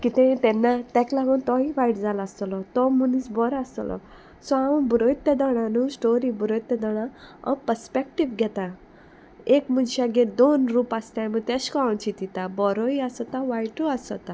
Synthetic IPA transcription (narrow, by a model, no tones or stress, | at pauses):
kit̪ɛ̃t̪ɛnːat̪ɛklaɡunt̪ɔiʋaiʈd͡zalaːst̪ɔlɔt̪ɔmunisbɔɾast̪ɔ̰lʔɔ̰ | sɔãbuɾoit̪ːjad̪ɔɽ̃anusʈoɾibuɾoit̪jɛd̪ɔɽ̃aa̰pəɾspek̚ʈiʋɡʱɛt̪a | ekmunɕaɡed̪onɾupast̪amət̪ɛskawnt͡ɕit̪it̪abɔɾɔiasɔt̪aʋajʈuasɔt̪a